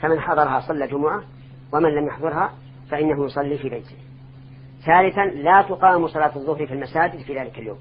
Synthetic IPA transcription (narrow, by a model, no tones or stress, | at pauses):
famɪnħɑðˤɑɾˤɑhɑsˤɑlːaːd͡ʒʊmʊʕa | wamɪnlamjaħðˤʊɾɦa | faʔɪnːaɦʊjʊsˤɑlːiːfiːbajt̪ʰɪ̥h | θaːlɪθanlaːt̪ʊqɑːmsˤɑlɑːt̪ʊðˤːʊhɾfilmasaːd͡ʒɪd̪fiːðaːlɪkaljo̰ːm